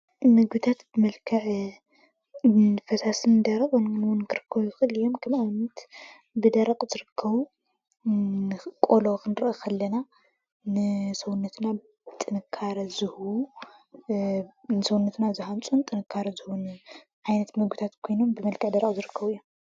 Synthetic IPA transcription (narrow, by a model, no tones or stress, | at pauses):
mɨɡbɨt̪ʰat̪bɨmɐlkʰɐʕ | fɐsasɨnd̪ɐɾɐkʼonnwʊnkʰɨɾɨkʰːɐβujɪxɨʔɨlɨjːo̞mkʰɐmanɐt̪ | bɨd̪ɐɾɐqʼzɨɾɨkʰːɐβu | ɨkʼolokʰɨnɨɾʔɐxɐlːɐna | nɨsɐwunːɐt̪ʰna | t̪ʼːɨnɨkʰːaɾɐzɨh | nɨsɐwunːɐt̪nazɨhamt͡sʼunt̪ʼɨnɨkʰːaɾɐzɨhun | ʕajnɐt̪mɨɡɨt̪ʰat̪kʰojno̞mbɨmɐlkʰɐʕd̪ɐɾɐkʼzɨɾɨkʰːɐβuɨjːom